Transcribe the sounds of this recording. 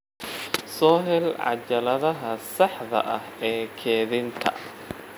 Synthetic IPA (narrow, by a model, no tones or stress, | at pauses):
sɔːɦɛlʕɑ̰t͡ʃɐlɐðɐɦɐsɑħðɐ̰ʔɐhɛːkʰɛːðɪnt̪ʰɐ̰